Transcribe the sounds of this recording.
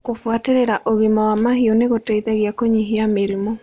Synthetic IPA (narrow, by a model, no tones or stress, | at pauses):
kofuateɾeɾaʔoɣimawamahioneɣoteiðɛɣjakoɲiɦiameɾimɔ